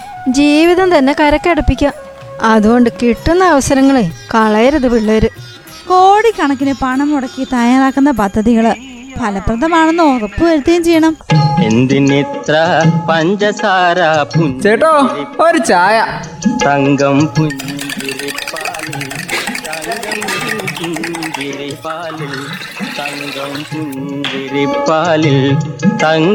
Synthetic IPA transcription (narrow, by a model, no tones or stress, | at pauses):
d͡ʑiːʋiðɐmt̪ɐnːe̞kɐɾɐkːeɽupːikʲːa | ɐðuɣo̞ɳɖɨkiʈːunːɐːʋɐsɐɾɐŋːɐɭekɐɭɐjɐɾɐðuʋiɭːɐʋɐɾu | ko̞ːɽikːɐɳɐkːinɨpɐɳɐmuɽɐkːit̪aːjaːɾaːkːunːɐpɐd̪ʱːɐðiɣɐɭɨ | pɐlɐprɐnd̪ɐmaːɳenːoːɣɐpːɨʋɐɾut̪ːɐjumt͡ɕejːɐɳɐmend̪init̪rɐpɐɲd͡ʑɐsaːɾapuɲt͡ɕejiʈːoːoɾut͡ɕaːjɐ | t̪ɐŋɡɐmpuɲːumbiɾipːalilt̪ɐŋɡɐmupuɲd͡ʑiɾipaːlil | t̪ɐŋɡɐmpuɲːd͡ʑiɾipːaːlilt̪ɐŋ